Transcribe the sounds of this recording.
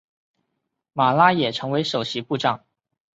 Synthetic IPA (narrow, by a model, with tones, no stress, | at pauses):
ma˨˩la˥jɛ˨˩ʈ͡ʂʰɤ˧˥ŋwe˧˥ɪʂo˨˩ʊɕi˧˥pu˥˧ʈ͡ʂɑ˥˩ŋ